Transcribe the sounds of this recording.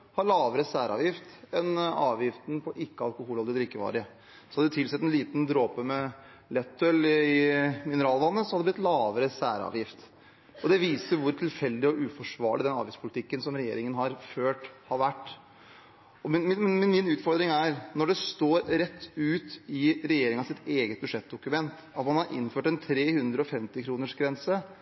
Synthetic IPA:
hɑɾɭɑːʋəɾəsæːɾʔɑ̰ːʋjɪft̪ɛnɑːʋjɪft̪n̩pʰɔʔɪkːəɑlkʊhuːlɔld̪ɪd̪ɾɪkːəʋɑ̰ːɾɪə | sɔhɑd̪d̪ɛt̪ʰɪlsɛt̪ːɛnliːt̪nd̪ɾoːpəmɛ | lɛt̪ʰːœlɪmɪnəɾɑːlʋɑnːəsɔhɑd̪ɛblɪt̪lɑːʋəɾəsæ̰ːɾɑ̰ːʋjɪft̪ | ɔd̪ɛʋiːsəɾʋʊɾt̪ʰɪlfɛld̪ɪɔʔʉːfɔʂʋɑ̰ːɭɪd̪ɛnɑ̰ːʋjɪspʰʊlɪt̪ʰɪkːənsɔmɾɛjḛːɾɪŋənɦɑɾføːʈhɑɾʋæʈː | ɔmmnmɛnmɪnʉːt̪fɔɾd̪ɾɪŋæɾnɔɖɛst̪oːɾɾɛt̪ʰːʉːt̪ɪɾɛjeːɾɪŋɑsɪt̪eːɡət̪̚bʉʂɛt̪̚d̪ʊkʉmɛnt̪ | ɑt̪mɑnhɑɾʔɪ̰nføːʈɛnt̪ʰɾeːhʉnd̪ɾəɔfɛmt̪ɪkʰɾuːnəʂɡɾɛnsə

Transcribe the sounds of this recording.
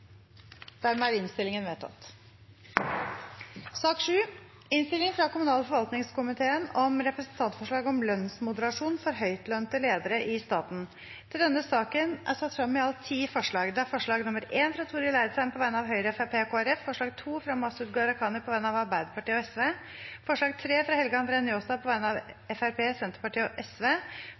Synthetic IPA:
d̪̥æːɾmɛæɾɪnst̪ɪlɪŋənʋeːt̪ʰɑ̰t̪ː | sɑːkʂʉː | ɪnst̪ɪlɪŋfɾɑkʊmʉnɑːləfɔɾʋɑlt̪nɪŋskʊmɪt̪ʰeːənɔmɾɛpɾəsnt̪ʰɑnt̪fɔʂɭɑːɡɔmlœnsmʊd̪əɾɑʂuːnfɔɾɦœʏt̪lœnt̪əleːd̪əɾəʔɪst̪ɑːt̪n̩ | t̪ʰɪld̪ɛnːəsɑːkənʔæ̰ɾsɑt̪ːfɾɑmːɛɑlt̪ʰiːfɔʂɭɑːɡd̪ɛæɾfɔʂɭɑːɡnʊməɾeːnfɾɑt̪ʰuːɾɪlæɪd̪sænmpʰɔʋæɪnəɑʋɦœʏɾəɛfæɾpʰeːkʰoːæɾɛfːfɔʂɭɑːɡt̪ʰuːfɾɑmɑsʉd̪ɡɑɾɑkʰɑːnəpʰɔʋæɪnəɑʋɑɾbæɪd̪əpɑʈiːəɔɛsʋeː | fɔʂɭɑːɡt̪ʰɾeːfɾɑhɛlɡəɑnd̪ɾeːənjoːsd̪ɑpʰɔʋæɪnəɑʋɛfæɾpʰeːsɛnt̪əɾpɑʈiːɔʔɛsʋeː

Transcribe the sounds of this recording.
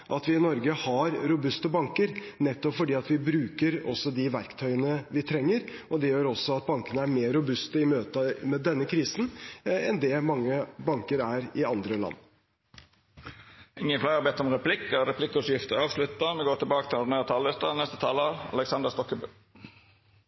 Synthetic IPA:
ʔɑt̪ʋɪɪnɔɾɡəhɑɾɾʊbʉst̪əbɑŋkəɾnɛt̪ːɔpfɔɖiːɑt̪ʋɪbɾʉːkəɾɔ̰sːɔd̪ɪʋæɾkt̪ʰœʏənəʋɪt̪ʰɾɛŋːəɾɔd̪ɛjøːɾɔsːɔɑt̪̚bɑŋkənəæɾmeːɾʊbʉst̪əɪmøːt̪əmɛd̪ɛnːəkʰɾiːsn̩ɛnd̪ɛmɑŋːəbɑŋkəɾæɾɪɑnd̪ɾəlɑ̰nː | ɪŋːənflæɪɑbɛːt̪ɔmɾɛpʰlɪkːəɾɛpʰlɪkːɔʂjɪft̪əɾɑːʋʂlʉt̪ːɑmɛɡoːʈɪlbɑːkət̪ʰɪlɔɖɳ̩øːɾt̪ʰɑːlɪst̪ɑnɛst̪ət̪ʰɑːləɑ̰lɛksɑnd̪əst̪ɔkːəbø

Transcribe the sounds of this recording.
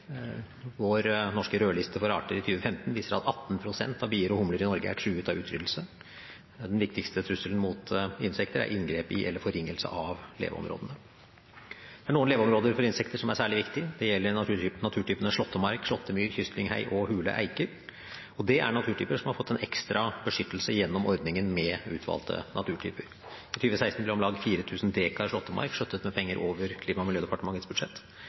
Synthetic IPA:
ʋoɾnɔʂkəɾøːɭɪst̪əfɔɾɑ̰ːʈəɾɪt̪ʰyːʋəfɛmt̪nʋiːsəɾɑ̰t̪ɑt̪ːnpʰɾʊsɛ̰nt̪ɑʋbiːəɾɔhʊmləɾɪnɔɾɡəæ̰ʈʰʉːʉːt̪ɑʋʉːt̪ʰɾʏd̪l̩sə | d̪ɛnʋɪkt̪ɪkst̪ət̪ʰɾʉsːələn̩mʊt̪ɪnsɛkt̪əɾæ̰ɾʔɪnɡɾeːpɪ̰ʔɛ̰lːəɾfɔɾɪŋːəlsə̰ʔɑʋlḛːʋə̰ɔ̰mɾo̰ːd̪ənə | d̪̥ɛæɳuːənleːʋəɔmɾoːd̪əɾfɔɾɪnsɛkt̪əʂɔmæsæːɭɪʋɪkt̪ɪd̪ɛjɛlːəɾnɑt̪ʰʉːʈʰyːpənəʂɭɔt̪ːəmɑɾkʂɭɔt̪ʰːəmyːɾçʏst̪lɪŋhæ̰ɪʔɔhʉːlə̰ʔæ̰ɪkəɾ | ɔd̪ɛʔæ̰ɳɑt̪ʰʉːʈʰyːpəʂɔmhɑɾfɔt̪ːɛnɛkst̪ɾɑbəʂʏt̪ːəlsəjɛnːɔmʔɔɾd̪nɪŋənmɛʉ̰ːt̪ʰʋɑ̰ːlt̪ʰə̰nʔɑt̪ʰʉːʈʰy̰ːpəɾ | it̪ʰyːʋəsæɪst̪n̩blɪɾɔmlɑːɡfiːɾət̪ʰʉːsn̩d̪eːkʰɑɪʂɭɔt̪ːəmɑ̰ɾkʂœt̪ːət̪mɛpʰɛŋːəɾʔoːʋəɾkʰliːmɑmɪljøːd̪ɛpɑʈəmɑŋːət̪sbʉd̪ʂɛt̪ː

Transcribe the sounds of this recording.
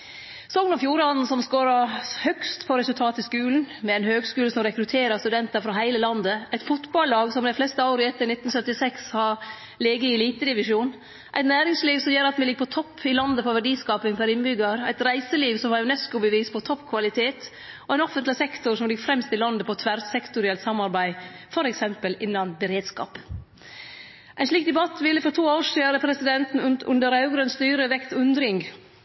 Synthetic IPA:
sɔŋɡnɔfjuːɾɑnn̩sɔmskoːɾɑɾhœkst̪pʰɔɾɛsʉlt̪ʰɑːt̪ɪskʉːln̩mɛæɪnhøːɡskʉːləsɔmɾɛkɾʉt̪ʰeːɾɑɾst̪ʉd̪ɛnt̪əɾfɾɑɦæɪləlɑnd̪əæɪt̪fʊt̪bɑllɑːɡsɔmd̪æflɛst̪əɑʊɾɪɛt̪ːəɾɳɪt̪ːn̩sœt̪ːɪsɛkshɑɾ | leːɡəɪɛliːt̪əd̪ɪʋɪʂuːn | ʔæɪt̪næːɾɪŋsliːʋsɔmjøːɾɑt̪mɛlɪɡːəpʰɔt̪ʰɔpʰːɪlɑnd̪əpʰɔʋæɖiːskɑːpɪŋfʰæɾɪnbʏɡɑɾæɪt̪ɾæɪsəliːʋsɔmhɑɾʉnɛskʊbəʋiːspʰɔt̪ʰɔpːkʰʋɑlɪt̪ʰeːt̪ | ɔɛɪnɔfənt̪lɪsɛkt̪ʊɾsɔmlɪɡfɾɛmst̪ɪlɑnd̪əpʰɔt̪ʰʋæɾsɛkt̪ʊɾɪɛlt̪sɑmːɑɾbæɪfɔɾɛksɛmpəlɪnːɑnbəɾeːd̪skɑ̰ːp | ʔæɪnʂɭiːk̚d̪ɛbɑt̪ːʋɪlːəfɔɾʈ̪ʰuːoːʂiːɾəpʰɾɛsɪd̪ɛnt̪n̩ʉ̰nd̪əɾɑʉɡɾœnst̪yːɾəʋɛkt̪ʉnd̪ɾɪŋɡ

